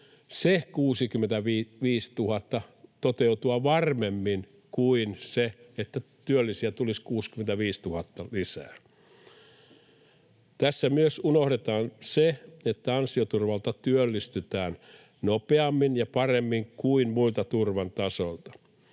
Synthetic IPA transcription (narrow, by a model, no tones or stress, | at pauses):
sekuːsikymːent̪æʋiːʋiːst̪uhɑt̪ːɑt̪ot̪eut̪uɑʋɑrmemːin | kuinseet̪ːæt̪yølːisiæt̪uliskuːskyment̪æʋiːst̪uhɑt̪ːɑlisæ̰ː | t̪æsːæmyøsunohɾet̪ɑːnseet̪ːæɑnsiot̪urʋɑlt̪ɑt̪yølːist̪yt̪æːn | nopeɑmːinjɑpɑremːiŋkuinmuilt̪ɑt̪urʋɑnt̪ɑsolt̪ɑ̥